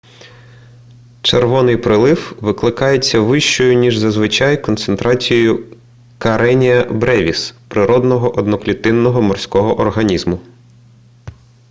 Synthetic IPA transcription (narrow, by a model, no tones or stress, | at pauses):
t͡ʃerʋɔnɪjpɾɪlˠɪwʋɪklˠɪkɑjet͡sʲːɐʋɪʃt͡ʃɔjʊnʲiʒzɐzʋɪt͡ʃɑjkɔnt̪sent̪ɾɑt͡sʲijɔjʊ | kɐɾʔɛnʲijɐbɾɛʋʲispɾɪɾɔd̪nɔɦɔʔɔd̪nɔklʲit̪ɪnːɔɦɔmɔrsʲkɔɦɔʔɔrɦɐnʲizmʊ